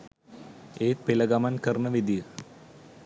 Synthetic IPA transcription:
eːpilɐɡɐmɐnkərnəʋid̪ijə

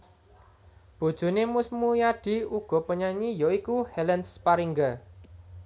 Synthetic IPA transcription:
b̥o̤d̥ʒ̥ṳnemusmujaɖ̥i̤uɡ̥ɔ̤pəɲaɲijoikuhɛlɛnspaɾiŋɡə

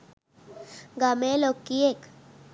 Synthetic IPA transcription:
ɡamelokiek

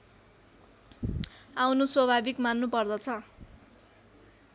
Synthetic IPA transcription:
awnuswʌbʱabikmanːupʌrd̪ʌt͡sʰʌ

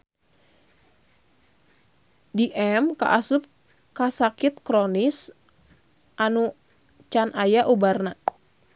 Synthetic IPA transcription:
diʔɛmka̰ʔasup̚ | kasakit̪̚kɾonis | ʔanu | t͡ʃanʔajaʔubarna

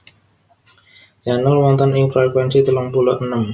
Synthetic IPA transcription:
janəlwɔnt̪ɔniŋfɾɛkwɛnsit̪əlʊŋpulɔʔənəm

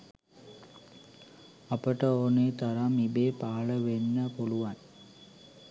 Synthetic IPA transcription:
ɐpəʈəoneːt̪ɐɾamibeːpaːɭəʋenːəpoluʋan

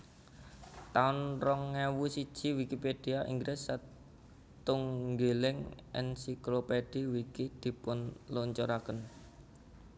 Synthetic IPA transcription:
t̪aʊnrɔŋːewusi̥ʒ̥i̤wikiped̥iaʔḭŋɡɾʔɪsːa | t̪ʊŋɡelɪŋʔɛ̰nsikloped̥iwikid̪̥i̤pʊnloɲt͡ʃoɾakən

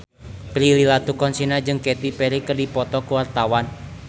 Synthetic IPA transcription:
pɾililat̪ukɔnsinad͡ʒɨŋkɛt̪ipɛɾikərdipɔt̪ɔkuwart̪awan

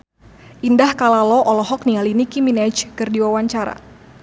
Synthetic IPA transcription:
ʔindahkalalɔʔɔlɔɦɔk̚nialinikiminɛd͡ʒkərdiwawaɲt͡ʃaɾa̰

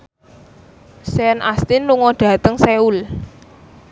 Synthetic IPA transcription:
sɛnʔast̪ɪnluŋɔɖ̪̥ä̤t̪əŋseul

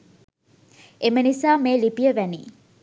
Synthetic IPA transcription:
emənisaːmeːlipijəʋænḭː

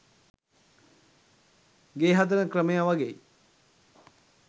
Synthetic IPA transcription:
ɡeːɦat̪̬əɾəkɾəmejaʋaɡeː

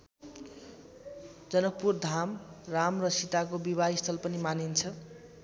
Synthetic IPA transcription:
d͡zʌnʌk̚purd̪ʱamramrʌsit̪akobiβaist̪ʰʌlpʌnimanint͡sʰʌ

